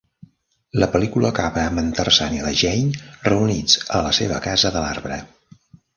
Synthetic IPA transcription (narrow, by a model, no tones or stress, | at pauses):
ləpəlikuləkaβəːmənt̪ərsaniəðəʒɛɲrəunid͡zələseβə̰kazəðəla̰rβɾə